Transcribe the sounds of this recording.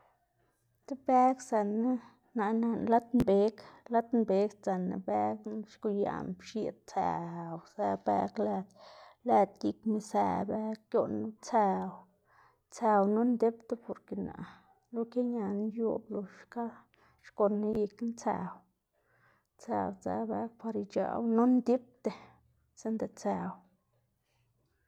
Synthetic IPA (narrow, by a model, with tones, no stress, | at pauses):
t̪e˦be˦ksa˨na˦ | na˨na˧nla˦t̪mbe˦kla˦t̪mbe˨˦kt͡sa˨na̰˨bæ˦kʃku˧ja̰˨mbʃi˨t̪̚t͡sa̰˨wsa˧bæ̰˧kla˧d̪la˧t̪ji˧kmi˧sa̰˧be˦kkjo˧nu˦t͡sa˧w | t͡sa˧wnu˦nd̪e˦pt̪e˦po˧˨ɾke˨na̰˨ | lu˦ke˦ɲa˧n˦ju˦blu˨ʃka˦ | ʃko˧nːi˦ji˧knt͡sa̰˨˧w | t͡sa̰˨wt͡sa̰˧ba˦k̚pa˧ɾi˧t͡ʃa̰˨wno˦nd̪i˦p̚t̪e˧ | se˦nd̪e˧t͡sa˧w